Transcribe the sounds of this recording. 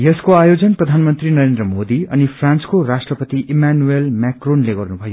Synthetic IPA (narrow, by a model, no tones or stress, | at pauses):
jʌskoajod͡zʌnprʌd̪ʱanmʌnt̪rinʌɾend̪rʌmod̪iʌnipʰrãnskoɾasʈrʌpʌt̪iʔimanuelmakronleɡʌrnubʱʌjo